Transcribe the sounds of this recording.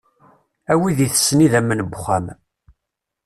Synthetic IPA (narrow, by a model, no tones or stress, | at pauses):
æwiðiθə̥sːniðæmːənəbχæm